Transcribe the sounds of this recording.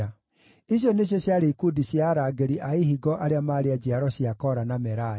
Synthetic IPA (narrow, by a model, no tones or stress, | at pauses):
a | iɕjoneɕjɔɕjaɾeikudiɕjaɾaɡeɾiʔaihiɡɔʔaɾeamaɾead͡ʑiaɾɔɕiakɔɾanamɛɾa